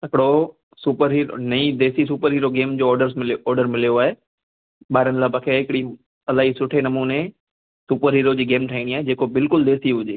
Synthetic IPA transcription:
ɦɪkɪɽo | suːpəɾɦiːɾo̰nɐĩd̪eːsis̬uːpəɾɦiːɾoɡeːmd͡ʑoːɾɖəɾsɪɔːɾɖəɾmɪlijoaːɦe | ɓaːɪɾənɪlaːbɐ̃kʰeɦɪkɪɽi | ɐlaːɦisʊʈʰenɐmuːne | suːpəɾɦiːɾod͡ʑiːɡeːmʈʰaĩːɽ̃iaːɦed͡ʑeːkobɪlkʊld̪eːsiɦʊd͡ʑeː

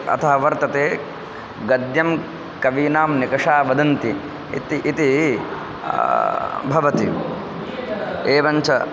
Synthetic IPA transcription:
ɐ̰t̪ʰɐɦɐʋɐɾt̪ɐt̪eː | ɡɐd̪jɐm | kɐʋiːnaːmnikɐʂaːʋɐd̪ɐnt̪i | ḭt̪iʔːt̪i | bʱɐʋɐt̪i | eːʋɐɲt͡ʃɐ

